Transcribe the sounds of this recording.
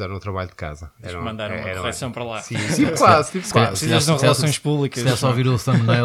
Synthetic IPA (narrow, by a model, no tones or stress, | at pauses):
ɛɾɐ̃ũt̪ɾɐβaʎud̪ka̰zɐɛ̃ʃɾɐ̃kmɐ̃nd̪aɾumɐɛkuʁɛsɐ̃w̃pɐɾɐlˠasĩĩpklˠast̪ipkizɛɾsɐ̃w̃ʁɨlˠɐsõj̃ʃpuβlˠikɐɛɾsɔviɾusɐ̃mnɐj